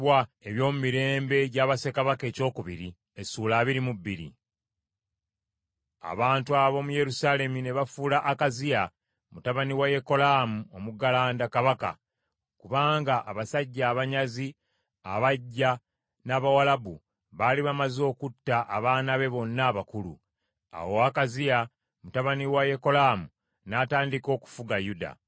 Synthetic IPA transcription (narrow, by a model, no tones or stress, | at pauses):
wae̞βjo̞ːmumiɾe̞ːmbe̞ɟaːβase̞kaβake̞ːco̞ːkuβiɾi | e̞suːlaːβiɾimubːiɾḭ | a̰βaːntuaβo̞muje̞ɾusaːle̞mune̞βafulaʔːkazija | mutaβaniwaje̞ko̞laːmuo̞muɡalaːndakaβaka̰ | kuβaːŋɡaʔːβasaɟːaːβaɲazi | a̰βaɟːa | naːβawalabṵ | βaliβamazo̞ːkutːaʔaβaːnaβe̞βo̞nːaβakulṵ | a̰woakazija | mutaβaniwaje̞ko̞laːmu | naːtaːndiko̞ːku̥fuɡajuda̰